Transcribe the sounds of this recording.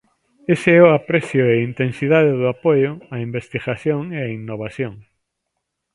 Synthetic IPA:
eseɛʊapɾɛθjʊeint̪ensiðaðeðʊapojʊaimbest̪iɣaθjoŋeainːoβ̞aθjoŋ

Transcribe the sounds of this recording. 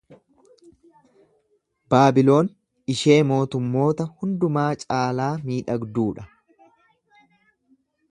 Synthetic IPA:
baːbɪlo̞ːn | ɪʃe̞ːmo̞ːt̪ʊmːo̞ːt̪ɐhʊnd̪ʊmaːt͡ʃʼaːlaːmiːᶑɐɡd̪uːᶑɐ

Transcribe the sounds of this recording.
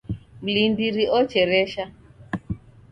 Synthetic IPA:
m̩lindiɾiʔɔt͡ʃɛɾɛʃa

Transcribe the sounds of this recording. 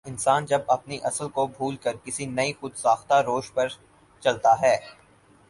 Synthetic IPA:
ɪnsaːnd͡ʒɐbɐpniʔɐsəlkobʱuːlkɐɾkɪsinɐixʊd̪saːxt̪aɾoːʃpɐɾ | t͡ʃɐlt̪aɦɛː

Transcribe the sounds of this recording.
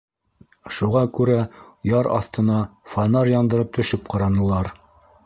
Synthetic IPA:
ʃuʁɑkʉɾæjɑɾɑ̰θt̪ɤ̆nɑfɑnɑɾjɑnd̪ɤ̆ɾɤp̚t̪ʰɵ̆ʃɘp̚qɑɾɑnɤ̆lˠɑɾ

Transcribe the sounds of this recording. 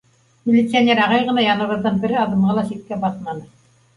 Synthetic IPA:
mʲɪlʲɪt̪sianʲeɾɑʁɑjʁɤ̆nɑjɑnɤ̆βɤ̆ɾd̪ɤnbɘ̆ɾɘɑðɤ̆mʁɑlˠɑʃik̪̚kːæbɑθlɑnɤ

